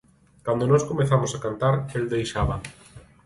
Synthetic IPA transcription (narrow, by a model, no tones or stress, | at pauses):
kand̪onɔskomeθamosakant̪aɾeld̪ejʃaβɐ